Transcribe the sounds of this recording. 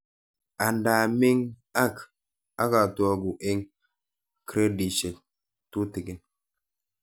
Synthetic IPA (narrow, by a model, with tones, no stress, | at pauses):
a˨nda˨mi˦ŋ | a˦k | a˦ka˨twa˦ɡu˨ʔe˦ŋ | kɾe˦di˨t͡ʃe˨ | tu˦ti˨ɡe˦n